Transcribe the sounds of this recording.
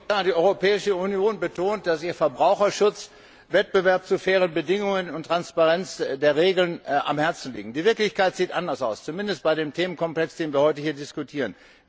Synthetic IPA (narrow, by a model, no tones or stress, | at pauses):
aːdiːɔʏʁopɛːɪʃəunjoːnbətʰoːnt̚d̥asʔiːɐfɛɐbʁaʊxɐʃʊt͡s | vɛt̚b̥əvɛɐp̚t͡sufɛːʁ̞ənbədɪŋʊŋənʊntʁ̥anspaʁɛnt͡sdeːɐʁeːɡl̩nʔa̰mhɛɐt͡sn̩lḭːɡŋ̩diːvɪɐklɪçkaɪtz̥iːtʔandɐsa̰ʊst͡sumɪndəst̚b̥aɪɾeːmtʰeːmənkʰɔmplɛksd̥eːnviːɐhɔʏtəhiːɐdɪskutʰiːʁən